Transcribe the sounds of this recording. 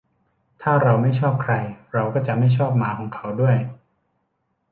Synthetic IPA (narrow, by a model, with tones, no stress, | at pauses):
t̪ʰaː˥˩ɾa˧wma˥˩jt͡ɕʰɔː˥˩p̚kʰɾa˧jɾa˧wkɔː˥˩t͡ɕa˨˩ʔma˥˩jt͡ɕʰɔː˥˩p̚maː˩˦kʰɔː˩˦ŋkʰa˩˥wdu˥˩əj